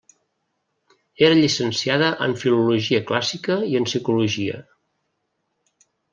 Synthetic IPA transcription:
eɾəʎisənsiaðəʔəɱfiluluʒiəklasikəiənsikuluʒiə̰

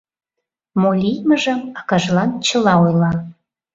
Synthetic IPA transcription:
molʲijməʒə̆mɑkɑʒlɑnt͡ɕə̆lɑojlɑ

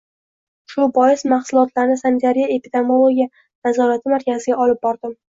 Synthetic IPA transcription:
ʃʊbɒjɪsmaχsʊlˠɒt̪laɾnɪsanɪt̪ʰaɾijaepid̪e̞molˠoɡʲija | nazɒɾat̪ʰɪmaɾkʲʰazɪɡʲaɒlɪp̚bɒɾd̪ɪm

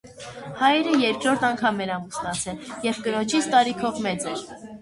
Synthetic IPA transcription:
hɑjɛɾəjɛɾkɾɔɾt̪ʰɑŋkʰɑmɛɾɑməsnɑt͡sʰɛljɛvkənɔt͡ʃʰit͡sʰt̪ɑɾikʰɔvmɛt͡sɛɾ

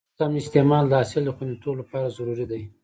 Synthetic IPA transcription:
amɪst̪emɑld̪əɑsɪld̪əxund̪et̪olapɑɾazaɾuɾid̪aj

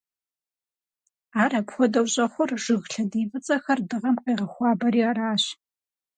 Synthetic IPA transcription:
aːɾɐpxʷɔdɐwɕʼɐχʷʊrʒ̥ɨɣɬɐdiːvɨt͡sʼɐxɐrdɨʁɐmqeːʁɐxʷɑːbɐɾiːaɾaːɕ

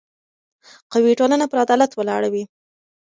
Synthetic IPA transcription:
qawiʈolənapəɾad̪ɑlat̪wəlɑ̰ɽawi

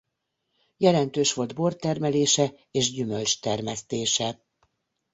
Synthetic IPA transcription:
jɛlɛnt̪øːʃʋo̞ld̪bo̞rt̪ɛrmɛleːʃɛ | eːʒɟymølt͡ʃt̪ɛrmɛst̪eːʃɛ

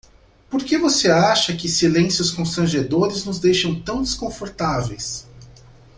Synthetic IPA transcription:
poɾkevoseaʃɐkɪsilẽsjʊskõst̪ɾɐ̃ʒed̪oɾɪznʊzd̪ejʃɐ̃w̃t̪ɐ̃w̃d̪eskõfoɾt̪avejs

